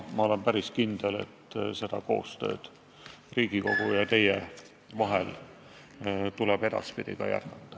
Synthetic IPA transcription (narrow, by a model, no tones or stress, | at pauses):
mɑo̞le̞mpæɾiskind̪̥ele̞̰t̪ːse̞d̪̥ɑko̞̰ːst̪ø̞̰ːd̪̥ | riːɡ̥iko̞ɡ̥ujɑt̪e̞je | vɑɦel | t̪ulɛb̥e̞d̪̥ɑ̰spid̪̥ikɑ̰jæ̰rɡ̥ɑt̪ˑːɑ̥